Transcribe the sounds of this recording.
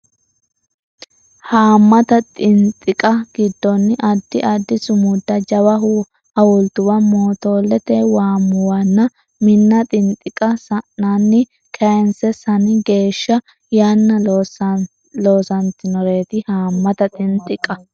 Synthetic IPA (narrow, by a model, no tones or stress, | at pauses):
haːmːɐt̪ɐt̪ʼɪnt̪ʼːɪkʼɐɡ̥ɪd̪ːɔnːʔɐd̪ːɪʔɐd̪ːɪsʊmʊd̪ːɐd͡ʒɐwɐɦʊ | ɐwɔlt̪ʊwɐmoːt̪oːlːɛt̪ɛwaːmːʊwɐnːɐ | mɪnːɐt̪ʼɪnt̪ʼɪkʼɐsɐʔanːɪ | kʰɐnsɛsɐnɪɡe̞ːʃːɐ | jaːnːɐ | lo̞ːsɐnt̪ɪnɔɾe̞ːt̪ɪhaːmːɐt̪ɐt̪ʼɪnt̪ʼːɪkʼːɐ